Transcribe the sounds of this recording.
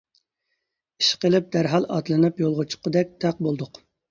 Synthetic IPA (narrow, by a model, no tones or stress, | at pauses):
i̥ʃqəlˠɪp̚d̪æɾɦɑlˠɑt̪lˠɨnɨpjolˠʁʊt͡ʃʰʊ̥qʰəd̪ɛk̚ʲt̪ʰæq̚bolˠd̪ʊq